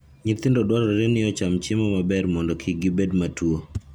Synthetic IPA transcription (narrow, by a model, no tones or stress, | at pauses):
ɲɪt̪ɪndɔdwaɾɔɾenɪɔt͡ʃamt͡ʃɪmɔmabɛɾmɔndɔkʰiɡɪbedmatwo